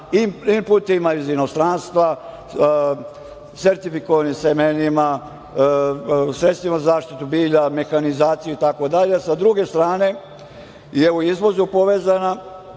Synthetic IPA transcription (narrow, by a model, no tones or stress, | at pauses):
imimpult̪imaizinost̪ɾaːnst̪ʋa | se̞ɾt̪ifikoʋanisemenima | sɾet̪st̪ʋimazazaːʃt̪it̪ubiːʎame̞xanizaːt̪sijuit̪ako̞d̪aʎeasad̪ɾuɡe̞st̪ɾaːne̞ | jeuizʋo̞zupo̞ʋe̞ːzana